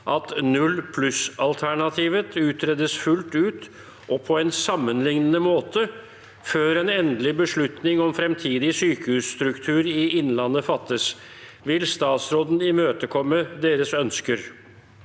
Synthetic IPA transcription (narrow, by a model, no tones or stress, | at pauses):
ʔɑt̪nʉlpʰlʉsɑlt̪ʰæɳɑt̪ʰiːʋət̪ʰʉːt̪ɾɛd̪əsfʉlt̪ʉːt̪ | ʔɔpʰɔɛnsɑmːənlɪŋnənəmoːt̪ʰə | føːɾɛnɛnd̪əlɪbəʂɭʉt̪nɪŋɔmfɾɛmt̪ʰiːd̪ɪsyːkəhʉːsst̪ɾʉkt̪ʰʉːɾɪɪnːlɑnːəfɑt̪ːəs | ʋɪlst̪ɑːt̪sɾoːd̪n̩ɪmøːt̪əkʰɔmːəd̪eːɾəsœnskəɾ